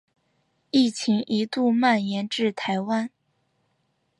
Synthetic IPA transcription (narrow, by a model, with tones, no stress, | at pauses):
i˥˩t͡ɕʰi˧˥ŋʔi˧˥t̪u˥˧ma˥˩njɛ˧˥nʈ͡ʂɻ̩˥˩t̪ʰa˧˥ɪwa˥n